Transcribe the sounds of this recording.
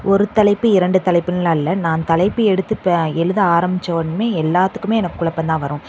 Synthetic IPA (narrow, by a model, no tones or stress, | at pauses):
ʔɔɾɯt̪ɐlɐɪpːɯɪɾɐɳɖɯt̪ɐlɐɪpːɯnɐlãɪlːɐnãːnt̪ɐlɐɪpːɯɛɽɯt̪ːɯpɛɻɯðɯaːɾɐmbɪt͡ʃːɐʋɐnɯmeːɛlːaːt̪ːɯ̥kːɯmeːɛnɐkːɯːʊɭɐpːɐnd̪ãːʋɐɾʊ̃